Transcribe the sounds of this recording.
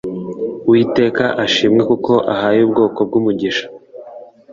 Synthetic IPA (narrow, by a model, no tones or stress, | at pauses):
wiːte̞ːkaʔaʃiːmŋe̞kuko̞ʔahaːjuːbɡo̞ːko̞b̚ɡumuɟiʃḁ